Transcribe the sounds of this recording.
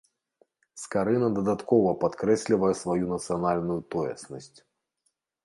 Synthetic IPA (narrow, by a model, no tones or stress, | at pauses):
skaɾɨnɐd̪ɐd̪at̪kɔvɐpat̪kɾɛsʲlʲivɐjɛsvajunɐt̪sɨjanalʲnujut̪ɔjɛ̰snɐsʲt͡sʲ